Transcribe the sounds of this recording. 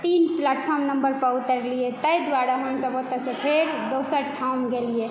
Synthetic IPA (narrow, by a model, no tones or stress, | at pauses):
t̪inplaʈpʰɔɾmnəmbəɾpəut̪əɾlijet̪əjd̪waɾaɦəmsəbot̪əsepʰeɾd̪osəɾʈʰaunɡelije